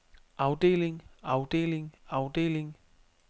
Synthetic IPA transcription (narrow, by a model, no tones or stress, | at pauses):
ʔɑ̈ʊd̥e̝̰ːle̝ŋɑ̈ʊd̥e̝̰ːleŋɑ̈ʊd̥e̝̰ːle̝ŋ